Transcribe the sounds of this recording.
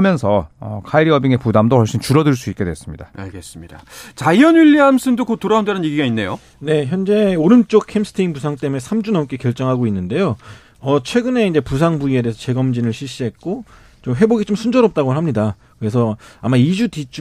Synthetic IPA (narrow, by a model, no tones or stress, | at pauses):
mjʌnsʰʌʌ̰kʰaiɾiʌbiŋe̞pudamdohʌɭɕ͈int͡ɕuɾʌdɯɭs̬͈uik͈e̞dwes͈ɯmɲidaa̰ɭɡe̞s͈ɯmɲidat͡ɕaiʌnjuʎːiams͈ʰɯndokotoɾaondenɯnjeɡiɡainːe̞jo | ne̞çjʌnd͡ʑe̞oɾɯnt͡ɕ͈okkʰemsʰɯ̥tʰeinpusʰaŋt͈e̞mune̞sʰamd͡ʑunʌunk͈e̞kjʌɭt͡ɕ͈ʌŋɦaɡoinːɯnde̞jo | ʌt͡ɕʰwe̞ɡɯne̞ind͡ʑe̞pusʰaŋbuie̞deːsʰʌt͡ɕe̞ɡʌmd͡ʑinɯɭɕʰiɭɕ͈iɦe̞t̚k͈o | t͡ɕomɦe̞boɡit͡ɕomsʰund͡ʑʌɾʌp̚t͈aɡoɭɦamɲida | kɯɾe̞sʰʌamaid͡ʑutit͡ɕʰu